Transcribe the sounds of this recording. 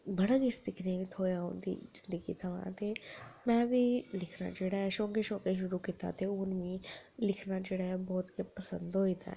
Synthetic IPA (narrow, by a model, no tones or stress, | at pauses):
bɐɽəkɪsd̪ɪkʰneit̪ʰoːjaõ̰nd̪ḭzɪnd̪əɡḭt̪ʰaʋã̰t̪ʰemɛ̃ːbʱilɪkʰna̰d͡ʒeɽaʃõːkeʃõːkeʃʊɾukit̪a̰t̪ʰeʊnmĩlɪkʰnad͡ʒeɽaɦɛbɔːt̪kepɐsə̃nd̪ɦoit̪ʰa̰ɦ